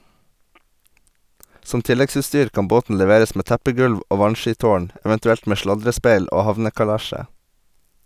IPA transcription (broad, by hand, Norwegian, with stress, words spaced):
ˈsɔm ˈtɪlɛɡsʉːˌstyːɾ ˈkɑm ˈboːtn̩ lɛˈʋeːɾəs ˈmeː ˈtæpəˌɡʉlʋ ˈʔoː ˈʋɑnˌʃiːˌtoːɳ ɛʋɛntʉˈɛlt ˈmeː ˈʃlɑdɾəˌspeɪl ˈoː ˈhɑʋnəkɑˌlæʃə